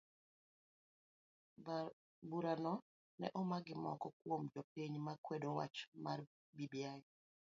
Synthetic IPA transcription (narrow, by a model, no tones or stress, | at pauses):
buɾanɔ | nɛ̰ʔɔmaɡɪmɔ̰kɔkwomd͡ʒɔpiɲmakwedowa̰t͡ʃma̰r | bibjaj